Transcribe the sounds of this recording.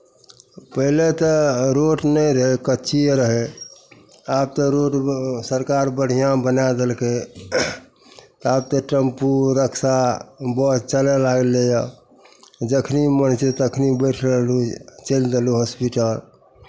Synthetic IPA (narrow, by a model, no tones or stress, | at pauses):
pəɦlet̪ɔɾoʈnɛjɾəɦɛkətːt͡ʃʰijeɾəɦe | ab̚t̪ɔɾoʈsəɾkaɾbəɽ̤ijãbənad̪elke | t̪ɔab̚t̪ɔʈəmpuɾəkʰsabɔt͡ʃəlelaɡelejɔ | d͡ʒəkʰnimənt͡ʃet̪əkʰnibəʈʰɾəlut͡ʃeld̪eluɦɔspiʈəl